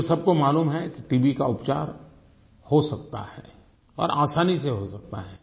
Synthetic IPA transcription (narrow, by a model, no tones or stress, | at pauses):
sɐb̚komaːluːmɦɛkiʈiːbikaʊpt͡ʃa̰ːɾ | hosɐk̚t̪a̰hɛ̰ː | ɔ̰ːɾʔaːsaːniseɦosɐk̚t̪a̰ɦɛː